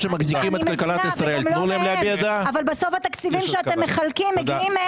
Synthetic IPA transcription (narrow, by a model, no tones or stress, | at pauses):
ʃemaɡzikimet̪alkalat̪isʁaeltmmulaemlejabejad̪aavalbaso̞fhat̪akt͡sivimʃeat̪emːeχalkimːeɡiim